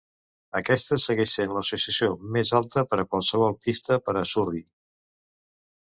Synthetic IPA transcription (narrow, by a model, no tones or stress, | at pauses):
əkɛst̪əsəɣɛʃsenləsusiəsiomezalˠt̪əpəɾəkwalˠsəβ̞ɔlˠpist̪əpəɾəsuri